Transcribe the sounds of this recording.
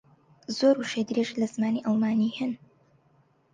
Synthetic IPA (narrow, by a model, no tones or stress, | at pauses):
zoɾuʃed̪ɾeʃlɐz̥maːniʔɑlˠmaːniːhɨn